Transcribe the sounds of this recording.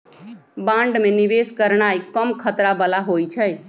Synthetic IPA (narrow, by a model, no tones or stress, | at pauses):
bãɳɖmeniʋeskəɾɳ̃ajkəmkʰət̪ɾabəlaɦojt͡ʃʰəj